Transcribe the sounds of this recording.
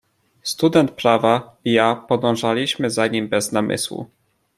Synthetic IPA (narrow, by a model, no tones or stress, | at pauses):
st̪ud̪ɛnt̪̚pɾavaijapɔd̪ɔ̃w̃ʐalʲiɕmɘzaɲimbɛznamʔɘ̰swṵ